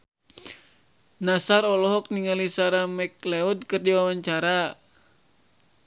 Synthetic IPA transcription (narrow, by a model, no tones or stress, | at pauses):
nasaɾɔlɔɦɔk̚niŋalisaɾamɛklɛudkɨrdiwawaɲt͡ʃaɾa